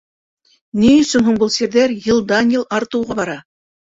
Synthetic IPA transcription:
niɵ̆sɵnɦuɴbɤlˠsiɾðæɾjɤ̆lˠd̪ɑnjɤlˠɑɾt̪ɤ̆wʁɑbɑɾɑ

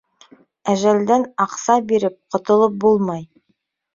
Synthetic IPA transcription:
æʒæld̪ænɑqsɑbiɾɘp̚qʰŏt̪ŏlˠɤp̚bulˠmɑj

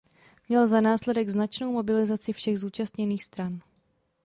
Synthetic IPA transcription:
mɲɛlzanaːslɛdɛɡznat͡ʃno̞wmo̞bɪlɪzat͡sɪfʃɛɣzuːt͡ʃast̪ɲɛniːxst̪ɾan

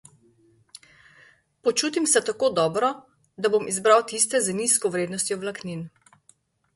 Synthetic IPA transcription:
pɔt͡ʃuːt̪imsɛt̪akoːd̪ɔːbɾɔ | d̪abomizbɾawt̪ist̪ɛzəniskɔʋɾeːd̪nɔst̪ʲjɔwlaknin

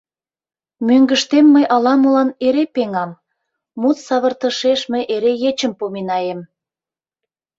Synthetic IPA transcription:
møŋɡəʃt̪emːəjʔɑlɑmolɑneɾepeŋɑmː | ut̪sɑβə̆rt̪ə̆ʃeʃməjʔeɾejet͡ɕəmpominɑjem

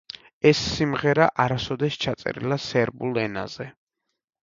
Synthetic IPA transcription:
ɛsːimʁɛɾaʔaɾasɔd̪ɛst͡ʃʰat̪sʼɛ̰ɾḭlasɛɾbulˠɛna̰z̥ɛ

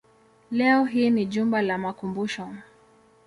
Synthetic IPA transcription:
lɛɔɦiːniʄumbalamakumbuʃɔ

